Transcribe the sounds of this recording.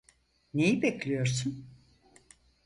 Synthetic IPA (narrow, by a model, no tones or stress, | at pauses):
ne̞jibeclʲijo̞ɾsun